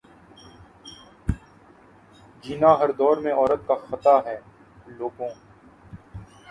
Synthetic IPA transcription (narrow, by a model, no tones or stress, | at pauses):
d͡ʒiːnaːɦɐɾd̪ɔːɾmẽɔːɾət̪̚kaxət̪aːɦɛː | loːɡõː